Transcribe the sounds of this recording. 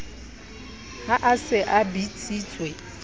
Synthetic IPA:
haʔasɪʔabit͡sʼiːt͡sʼwe

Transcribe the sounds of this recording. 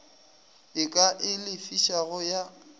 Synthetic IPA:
ɪkʼaʔɪlɪfiʃaɣʊja

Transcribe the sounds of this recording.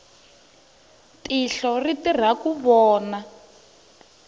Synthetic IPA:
tiɬɔritir̤akuβɔːna

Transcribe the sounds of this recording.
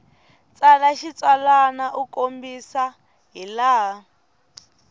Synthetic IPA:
t͡salaʃit͡salanaʔukombisa | ɦilaː

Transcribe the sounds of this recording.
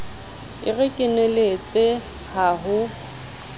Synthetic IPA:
ɪ̰ɣɪkʼɪnelet͡sʼɪ | haɦʊ

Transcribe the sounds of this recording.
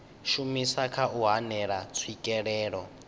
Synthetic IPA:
ʃumisakʰaʔuɦanɛɺat͡sʰwikʼɛɺɛːɺɔ̰

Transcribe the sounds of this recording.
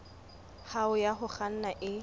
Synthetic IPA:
haʊjaɦʊχan̩naʔɪ

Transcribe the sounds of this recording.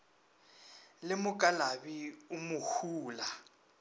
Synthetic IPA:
lɪmʊkʼalabiʊmʊhuːla

